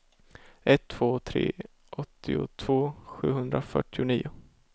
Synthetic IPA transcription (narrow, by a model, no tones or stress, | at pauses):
ʔɛt̪ʰːv̥oːt̪ʰɾḛː | ʔɔt̪ːɪʊ̰t̪ʰv̥oːɧʉ̟ːɦɵnd̪ɾafœ̰ʈːɪʊniːʊ